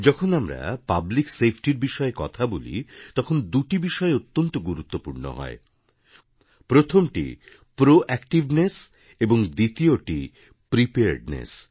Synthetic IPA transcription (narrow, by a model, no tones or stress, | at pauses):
d͡ʑɔkʰonamɾa̰pabliksepʰʈiɾbiʃɔekɔt̪ʰabolḭt̪ɔkʰond̪uʈibiʃɔeot̪ːont̪oɡuɾut̪ːopuɾno̰ɦɔ̰e | pɾot̪ʰomʈḭ | pɾoʔɛkʈibnes | eboŋd̪it̪ioʈi | pɾipeɾɖnḛs